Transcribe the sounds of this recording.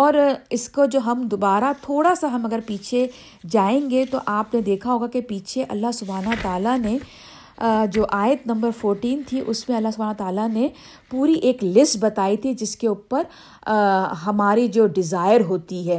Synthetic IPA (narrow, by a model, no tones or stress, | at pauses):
ɔːɾɪskod͡ʒoːɦɐmd̪obaːɾat̪ʰoːɽasaɦɐmɐɡəɾpiːt͡ʃʰe | d͡ʒaːẽːŋɡet̪oʔaːpned̪eːkʰaɦoːɡakepiːt͡ʃʰeʔɐ̰lːaɦsʊbʱaːnɦt̪aːlane | d͡ʒoːʔaːjət̪nɐ̃mbəɾfoːɾʈiːnt̪ʰiʔʊsmẽɐlːasʊbʱaːnt̪aːlane | puːɾiʔeːklɪsʈbɐt̪aːit̪ʰid͡ʒɪskeʊpəɾ | ɦɐmaːɾid͡ʒoːɖɪzaːɪəɾɦoːt̪iɦɛː